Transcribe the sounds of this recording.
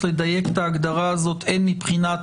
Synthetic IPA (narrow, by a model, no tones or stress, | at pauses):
led̪ajeke̥taːɡd̪aʁaːzo̞t̪ʰenmipχina